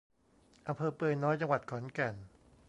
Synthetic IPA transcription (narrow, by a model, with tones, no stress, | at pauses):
ʔa˧mpʰɤː˧pɤː˧nɔː˦˥jt͡ɕa˧ŋwa˨˩t̪̚kʰɔ˩˦nkɛ˨˩n